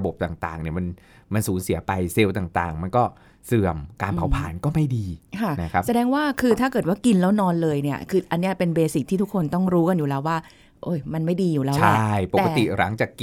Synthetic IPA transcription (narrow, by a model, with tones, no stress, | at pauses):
bo˨˩p̚t̪aː˨˩ŋt̪a̰ː˨˩ŋni˦˥˩ɐma˧n | ma˧nsuː˩˦nsi˨˩˦pa˧jse˧wt̪aː˨˩ŋt̪a̰ː˨˩ŋma˧nkɔː˥˩ | sɯ˨˩əmkaː˧npʰa˨˩˦wpʰa̰ː˨˩˦nkɔː˥˩ma˥˩jdiː˧kʰa˥˩na˦kʰa˦˥sa˧dɛː˧ŋwaː˥˩kʰɯː˧t̪ʰaː˥˩kɤː˨˩t̪̚waː˥˩ki˧nlɛː˦˥wnɔː˧nlɤː˧jni˥˩ɐkʰɯː˧ʔa˧nːi˦˥ɐpe˧nbeː˧si˨˩t̪̚ʰːiː˥t̪ʰu˦˥kʰːo˧nt̪ɔ˥˩ŋɾuː˦˥ka˧njuː˨˩lɛː˦˥waː˥˩ | ʔoː˧˥˩jma˧nma˥˩jdiː˧juː˨˩lɛː˦t͡ɕʰlaa˧˥˩jpo˨kːka˧t̪i˨˩ɾa˩˦ŋt͡ɕaː˨˩kːi˧